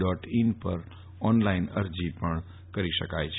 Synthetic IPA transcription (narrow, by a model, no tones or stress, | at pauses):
ɖɔʈinpə̰ɾ | ɔnlainəɾd͡ʒipəɳ | kəɾiʃəkajt͡ʃʰ